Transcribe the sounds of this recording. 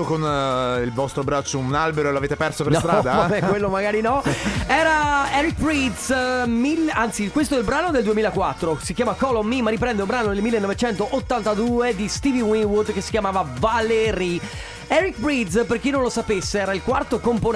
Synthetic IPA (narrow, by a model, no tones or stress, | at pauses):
konilvɔst̪ɾobɾat͡ʃːounalbeɾoeloaveːt̪epɛrsopeɾst̪ɾad̪aɛkwelːomaɡaːɾinɔɛːɾaɛɾik̚bɾid̪smilːeant̪sikwest̪oɛilbɾaːnod̪eld̪uemiːlakwat̪ːɾosikjaːmakɔlomːimːaɾipɾɛnd̪eumbɾaːnod̪elmilːenːɔvet͡ʃɛnt̪oʔot̪ːant̪ad̪uːed̪ist̪iviwiŋwud̪kesːi̥kʲjamaːvavaleɾi | ɛɾikbɾid̪sperkinːõnlosapesːeɛːɾailkwart̪okompon